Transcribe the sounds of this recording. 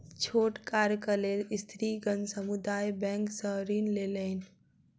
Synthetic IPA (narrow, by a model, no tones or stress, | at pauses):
t͡ʃʰoːʈkaːɾkəleɾɪst̪ʰɾiɡənsəmud̪aːjbɛ̃ːŋksəɦɾiːnleləɪn